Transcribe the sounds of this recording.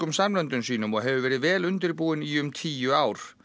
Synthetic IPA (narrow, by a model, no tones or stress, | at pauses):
ʏmsamœnt̪ʏnsiːnʏmɔɣɦɛvʏvɛːɾɪðvɛːlʏnt̪ɪɾpuːɪniʏmt̪ʰiːjʏaːwɾ̥